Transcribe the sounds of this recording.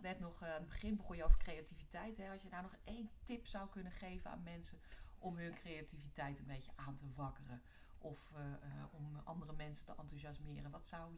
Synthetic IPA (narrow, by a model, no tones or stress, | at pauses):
ʋɛtnɔχnbəχɪnbəχɔjəoːvəɹkrejativitɛjtɦɛɑsjənawnɔχejntɪpsawkɵnəχejvəna̰ːnmɛnsəʔɔmɦɵnkrejativitɛjtənbejtəʔaːntəvɑkərə | ʔɔf | ɔmɑ̰ndərəmɛnsətəʔɑntuzɑsmɪːrənʋɑtsaw